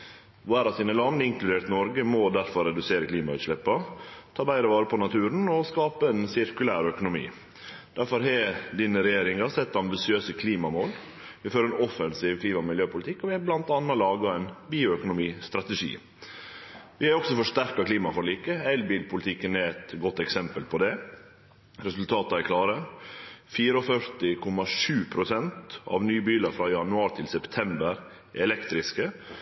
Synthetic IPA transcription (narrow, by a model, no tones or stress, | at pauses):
ʋæːɾɑsiːnəlɑnəɪŋklʉd̪eːɾt̪nɔɾɡəmɔd̪æɾfɔɾɛd̪ʉseːɾəkʰliːmɑʉ̰ːt̪ʂɭɛpːɑt̪ʰɑːbæɪɾəʋɑːɾəpʰɔnɑt̪ʰʉːɾn̩ɔskɑːpəɛnsɪɾkʉlæːɾœkʊnʊmḭː | d̪̥æɾfɔɾɦɛd̪iːnəɾɛjeːɾɪŋɑsɛt̪ːɑmbɪsɪøːsəkʰliːmɑmoːl | ʋɪføːɾɛnɔfənsiːʋkʰliːmɑmɪljøːpʰʊlɪt̪ɪkːɔʋɪhɛblɑnt̪ɑnːɑlɑːɡɑɛnbiːʊœkʊnʊmiːst̪ɾɑt̪əʂḭː | ʋɪhɛæɾɔksɔfɔʂt̪æɾkɑkʰliːmɑfɔɾɭiːkəɛlbiːlpʰʊlɪt̪ʰɪkːənɛɛt̪ɡɔt̪ːɛksɛmpəlpʰɔd̪ɛ | ɾɛsʉlt̪ʰɑːt̪ɑækʰlɑːɾə | fiːɾəɔfœɾt̪ɪkʰʊmɑʂʉːpʰɾʊsɛnt̪ɑ̰ʋnyːbiːlɑɾfɾɑjɑnʉɑːɾt̪ʰɪlsɛpt̪ʰɛmbəɾ | ʔɛlɛkt̪ɾɪskə